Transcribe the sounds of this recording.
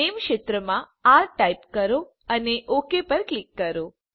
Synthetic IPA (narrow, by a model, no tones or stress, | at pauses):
emkʃet̪ɾəmã | aɾʈaipkəɾo | əneʔokepəɾklikːəɾo